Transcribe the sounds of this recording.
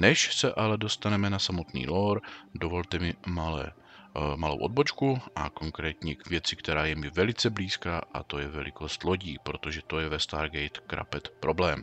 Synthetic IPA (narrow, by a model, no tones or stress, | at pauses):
nɛʃsɛʔalɛdo̞st̪anɛmɛnasamo̞t̪nḭːloɾdovo̞lt̪ɛmɪmalɛ̰ | malowʔod̪̚bo̞t͡ʃkuʔa̰ko̞ŋkɾɛːt̪ɲɛvjɛt͡sɪkt̪ɛɾaːjɛmɪvɛlɪt͡sɛbliːskaːʔa̰t̪o̞jɛvɛlɪ̰ko̞st̪lo̞ɟiːpɾo̞t̪oʒɛt̪o̞jɛvɛst̪a̰ːɾɡɛjt̪kɾa̰pɛt̪pɾʔo̞blɛːm